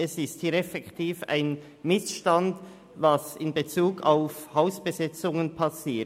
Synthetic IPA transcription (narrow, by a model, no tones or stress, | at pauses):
ɛsɪsthiːɾɛfɛktʰiːfa̰ɪn | mɪsʃtand | vɑsɪnbet͡suːɡʰaʊfhaʊsb̥ezɛt͡sʊŋənpʰɑsiː